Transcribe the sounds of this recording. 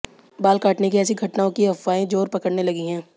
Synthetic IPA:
baːlkaːʈnekiɛːsiɡʱɐʈnaːõkiɦɐfːaːẽd͡ʒoːɾpɐkəɽnelɐɡiɦɛ̃ː

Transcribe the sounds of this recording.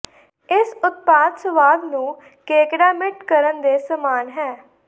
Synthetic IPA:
ɪsʊt̪̚paːd̪səʋaːd̪nũː | keːkɽaːmɪʈkəɾənd̪eːsəmaːnɦɛː

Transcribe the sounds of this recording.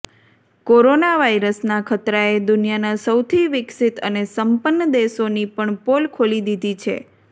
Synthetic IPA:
koɾonaʋaiɾəsnakʰət̪ɾaed̪ʊnijanasəwt̪ʰiʋɪksit̪ənesəmpənːəd̪esonipəɳpolkʰolid̪id̪ʱit͡ʃʰḛ

